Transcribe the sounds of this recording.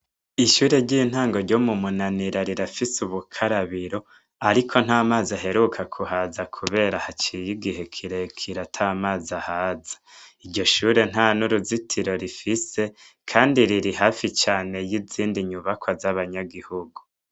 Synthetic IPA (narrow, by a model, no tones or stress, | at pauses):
iʃuːɾe̞ɟin̥haːŋɡo̞ɾɟomumunaniɾaɾiɾafisuβukʰaɾaβiɾo̞ | aɾikʰo̞n̥haːmaːzaɦe̞ɾukʰakʰuhazakʰuβe̞ːɾahat͡ʃijiɡihe̞kʰiɾekʰiɾatʰamaːzahaːzḁiɾɟo̞ʃuːɾe̞n̥hanuɾuzitʰiɾo̞ɾifise̞ | kʰaːndiɾiɾihaːfit͡ʃaːne̞jiziːndiɲuβakʰwazaβaɲaɡihuɡu